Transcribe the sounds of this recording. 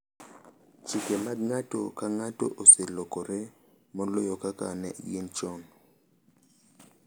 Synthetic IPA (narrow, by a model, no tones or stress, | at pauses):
t͡ʃʰikɛmaŋatʼɔkaŋatʼɔ̰ʔosɪlɔkʼɔɾɛ | mɔlojɔkʼakʼa̰nɛ̰jent͡ʃɔŋ